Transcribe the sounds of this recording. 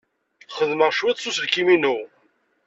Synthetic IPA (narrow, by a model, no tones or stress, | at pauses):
χəðməʁʃwit̪ˤsusðkiminu